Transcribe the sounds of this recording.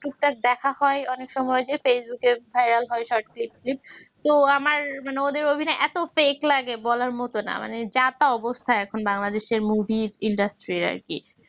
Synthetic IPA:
ʈuk̚ʈak̚d̪ɛkʰahɔeɔnekʃɔmɔed͡ʑefesbukevʱajɾalɦɔeʃɔɾʈklip̚klip̚t̪oamaɾmaneod̪eɾobʱinɔeʔɛt̪ofeklaɡebɔlaɾmɔt̪ona̰ma̰ned͡ʑat̪aɔbost̪ʰaeɛkʰonbaŋlad̪eʃeɾmubʱiɾiɳɖasʈɾiɾa̰ɾki

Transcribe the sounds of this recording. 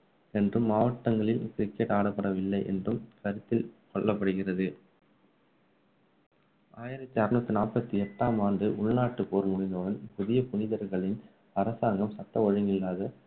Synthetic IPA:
ɛndrɯmːaːʋɐʈːɐŋɡɐɭɪlkɪɾɪkːɛʈaːɽɐpːɐɽɐʋɪlːɐɪʔɛ̰ndrɯmkɐɾɪt̪ːɪlkɔɭːɐpːɐɽɯɣɪrɐðɯ | aːjɪɾɐt̪ːiɐɾɪnɐt̪ːɯnaːpɐt̪ːiɛʈːaːmaːndɯʔʊɭnaːʈːɯpoːɾmʊɽɪnd̪ɔɽɐnpʊðɪjɐpʊnɪðɐɾɣɐɭɪn | ɐɾɐsaːŋɡɐmsɐʈːɐɔɻɯŋɪlːaːðɐ

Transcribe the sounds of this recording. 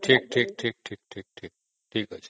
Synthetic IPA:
ʈʰiːk̚ʈʰiːk̚ʈʰiːk̚ʈʰiːk̚ʈʰiːk̚ʈʰiːk̚ | ʈʰiːkət͡ʃe

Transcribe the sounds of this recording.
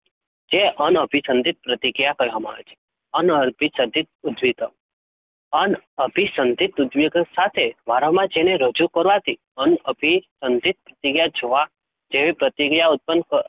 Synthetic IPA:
d͡ʒeʔənəbʱisə̃nd̪ʱit̪̚pɾət̪iɡijakəjɦɔmã̰t͡ʃʰe̥ | ənəɾbʱisəd̪ʱit̪̚ud̪ʋit̪ə | ənəbʱisənd̪ʱit̪ud̪ʋeɡsat̪ʰeʋaɾəmãd͡ʒeneɾəd͡ʒukəɾʋat̪i | ənəbʱisənd̪ʱit̪̚pɾət̪iɡjad͡ʒoʋa | d͡ʒeʋipɾət̪iɡjaʊt̪̚pənkə

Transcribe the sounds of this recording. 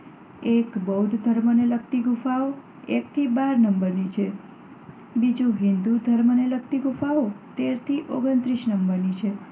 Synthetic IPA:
ekbəud̪ʱd̪ʱəɾmənelək̚t̪iɡufao | ek̚t̪ʰibaɾnəmbəɾnit͡ʃʰe | bid͡ʒũɦɪnd̪ud̪ʱəɾmənelək̚t̪iɡufaot̪eɾt̪ʰiʔoɡənt̪ɾiʃnəmbəɾnit͡ʃʰe

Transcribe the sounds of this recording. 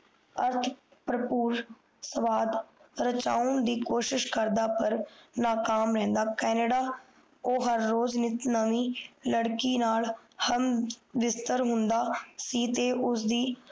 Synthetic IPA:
əɾt̪ʰpɾəpuːɾ | səʋaːd̪ɾət͡ʃaːʊɳd̪iːkoːʃɪʃkəɾd̪aːpəɾnaːkaːmɾɛ̃ːnd̪aːkɛːnəɖaː | oːɦəɾːoːznɪt̪nəmiːləɽkiːnaːlhəmʋɪst̪əɾɦʊnd̪aːsiːt̪eːʔʊs̬d̪iː

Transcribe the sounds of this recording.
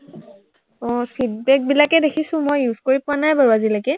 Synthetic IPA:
ɔpʰid̚bɛk̚bilakɛdekʰisʊ̃mojjuz̥koɹipʊanajbaɹazilakɛ

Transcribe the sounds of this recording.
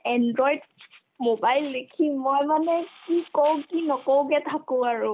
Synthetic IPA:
ɛndɹɔjd | mobajlːdekʰimojmanɛkikɔwkinɔkɔwkɛtʰakʊ̃aɹʊ

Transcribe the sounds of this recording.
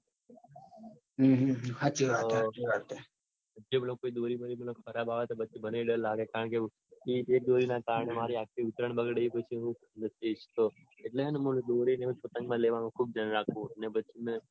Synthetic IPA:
ɦɦhad͡ʒiʋaʋaɾt̪e | əd͡ʒemnõkoid̪oɾibəɾimənõkʰəɾabaʋet̪obəːt͡ʃʰibəneɽəɾlaɡekaɾəɳke | iek̚d̪oɾinakaɾəɳemaɾiakʰiʊt̪ɾəɳbəɡɽeipət͡ʃʰiɦũkʰəd̪əsit͡ʃt̪o | eʈleənemuld̪oɾineũpət̪ə̃ŋɡmãleʋanũkʰub̚d͡ʒənɾakʰʋũənebətːt͡ʃʰimẽ

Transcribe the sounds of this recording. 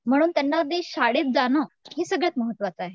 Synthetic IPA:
m̤əɽ̃uːnt̪janːad̪eɕaɽet̪̚d͡zanəhesəɡɭət̪məɦət̪ːʋat͡səaɦe

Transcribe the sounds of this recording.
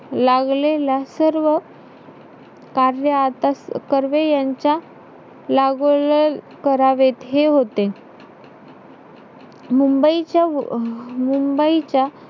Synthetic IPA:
laɡlelasəɾʋə | kaɾjəat̪askəɾʋejaɲt͡ɕja | laɡol | kəɾaʋet̪ɦeɦot̪e | mumbəit͡ɕja | mumbəit͡ɕa

